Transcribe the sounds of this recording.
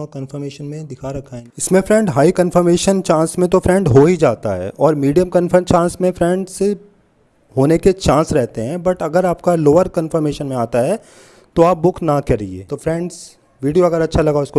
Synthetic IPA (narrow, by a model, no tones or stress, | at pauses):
kənfəɾmeːʃənmẽd̪ɪkʰaɾɐkʰaːẽɪsmẽfɾɛ̃ːɳɖɦaːikə̃nfəɾmeːʃənt͡ʃãːsmẽt̪ofʰɾɛ̃ɳɖɦoːid͡ʒaːt̪aɦɛ̰ːʔɔːɾmiːɖijəmkənfət͡ʃãːsmẽfʰɾɛ̃ɳɖse | ɦoːneket͡ʃãːsɾɛɦt̪eɦɛ̃bɐʈɐɡəɾaːp̚kaloːəɾkə̃nfəɾmeːʃənmẽaːt̪aɦɛ | t̪oaːp̚bʊkʰnakɛɾiḛːt̪ofɾɛ̃ɳɖz | ʋiːɖijoɐɡəɾɐtːʃʰalɐɡaoɪsko